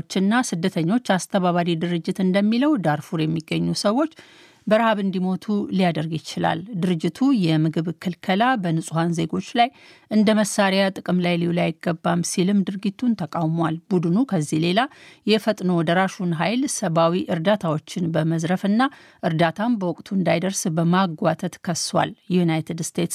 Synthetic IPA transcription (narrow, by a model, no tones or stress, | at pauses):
t͡ʃːɪnːasɨd̪ːət̪ʰəɲːo̞t͡ʃːast̪ʰəβaβaɾid̪ɨɾɨd͡ʒːɪt̪ɨnd̪əmːiləwd̪aɾfuɾjɛmːiɡːəɲːusəwːo̞t͡ʃː | bəɾhaβɨnd̪imo̞t̪ʰulijad̪əɾɡɪt͡ʃɪla̰ld̪ɨɾɨd͡ʒːɪt̪ʰujɛmɨɡɨβkʰɨlkʰəlabənɨsʼuhanze̞ɡo̞t͡ʃːlaj | ʔɨnd̪əməsːaɾjat̪ʼɨkʼɨmlajlijlajɪɡːəbːamsilɨmd̪ɨɾɡit̪ʰːunt̪ʰəkʼawmwalbud̪ɨnukʰəzːihle̞lajɛfət̪ʼnowd̪əɾaʃunɦajlsəβawiʔɨɾd̪at̪ʰawo̞t͡ʃːɪnbəməzɾəfɨnːa | ʔɨɾd̪at̪ʰambəwɔkʼt̪ʰuɨnd̪ajd̪əɾsbəmaɡʷat̪ʰət̪kʰəswa̰ljjunajt̪ʰɨd̪st̪ʰe̞t̪s